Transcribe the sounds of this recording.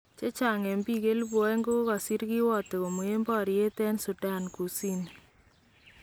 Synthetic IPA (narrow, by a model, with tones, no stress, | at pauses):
t͡ʃe˦t͡ʃa˨ŋɛ˨mbi˦ɡe˦lbwɔ˨˦e˦ŋɡo˦ka˨si˦ɾɡi˦wɔ˦˨t̪e˨ko˨mo˨e˦mbɔ˦˨ɾe˦t̪ɛ˦nsu˨da˦˨nku˨si˦n